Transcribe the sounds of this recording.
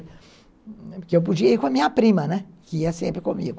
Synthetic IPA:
kewp̬uʒieikamiapɾimɐnɛ | kiasḛ̃mpɾɪkomḭɡ

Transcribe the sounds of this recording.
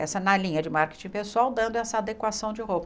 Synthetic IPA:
ɛsɐnɐlĩɲɐd͡ʒɪmaɾke̥t͡ʃĩpesuawd̪ɐ̃nd̪ʊɛsɐad̪ekwasɐ̃w̃d͡ʒɪɦobɐ

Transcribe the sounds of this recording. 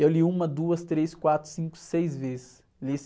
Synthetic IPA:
ewliũmɐd̪uɐst̪ɾeskwat̪ɾʊsĩkʊ̥sejzvezɪs | lis

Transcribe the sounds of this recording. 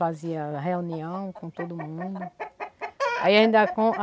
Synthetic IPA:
aziɐɦeũniɐ̃w̃kõt̪od̪ʊmũd̪ʊ | a̰iaĩnd̪ɐkõa

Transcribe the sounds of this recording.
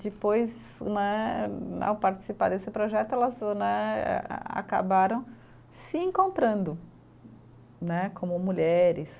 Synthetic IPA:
d͡ʒɪpojz | nɛ | a̰wpaɾt͡ʃɪ̥sipa̰ɾd̪esɪpɾoʒɛt̪ʊɛlɐznɛ̰ | a̰ka̰baɾɐ̃w̃ | sɪẽŋkõnt̪ɾɐ̃nd̪ʊ | nɛkʰõmʊmuʎɛɾɪs

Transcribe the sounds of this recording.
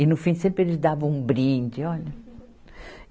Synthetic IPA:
ɪnʊfĩsẽmpɾɪelɪzd̪avɐ̃w̃ũbɾĩnd͡ʒ̪ɪɔʎɐ

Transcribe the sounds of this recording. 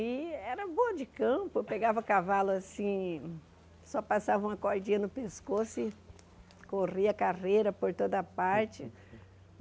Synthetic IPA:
ɪɛɾɐboɐd͡ʒɪkɐ̃pʊpeɡavɐkavalʊasĩ | sɔpasavɐũmɐkoɾd͡ʒĩɐnʊpeskosʊɪ | koriɐkaʁejɾɐpoɾt̪od̪ɐpaɾt͡ʃɪ

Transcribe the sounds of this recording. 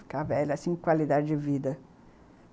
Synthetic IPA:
kavɛlɐsĩŋkwalid̪ad͡ʒɪd͡ʒɪvid̪ɐ

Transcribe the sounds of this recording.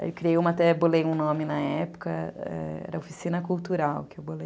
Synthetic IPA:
ewwkɾiejũmɐat̪ɛbolejũnõmɪnɐɛpʊ̥kɐɛ̰ɛ̰ɾɐofi̥sĩnɐkuwt̪uɾawkɪewbolej

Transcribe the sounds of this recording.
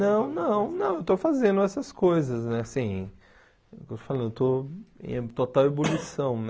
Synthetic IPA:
nɐ̃w̃nɐ̃w̃nɐ̃w̃ewt̪ofazẽnd̪ʊɛsɐskojzɐsnɛasĩ | kewt̪o̥falɐ̃ñd̪ewt̪oḛ̃t̪ot̪awebolisɐ̃w̃n

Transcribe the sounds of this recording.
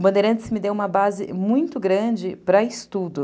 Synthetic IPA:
bɐ̃nd̪ejɾɐ̃nt͡ʃ̪ɪ̥sɪmɪd̪ewũmɐbazɪ̰mũj̃t̪ʊɡɾɐ̃d͡ʒɪpɾɐɪst̪ud̪ʊ

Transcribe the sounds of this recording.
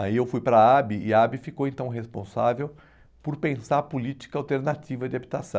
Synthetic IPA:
aiewfujpɾɐabɪɪabɪfikowẽnt̪ɐ̃w̃ɦespõ̰sa̰vew | poɾpẽsaɾpulit͡ʃi̥kɐawt̪eɾnat͡ʃivɐd͡ʒɪabit̪asɐ̃w̃

